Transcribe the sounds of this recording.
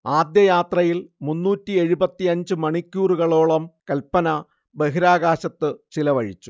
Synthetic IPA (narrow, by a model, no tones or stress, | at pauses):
aːd̪jɐjaːt̪rɐjilmunːuːtːie̞ɻubɐt̪ːiɐɲd͡ʑɨmɐɳikʲːuːruɣɐɭo̞ːɭɐmkɐlpːɐnɐ | beɦiɾaːɣaːɕɐt̪ːɨt͡ɕilɐʋɐɻḭt͡ɕːu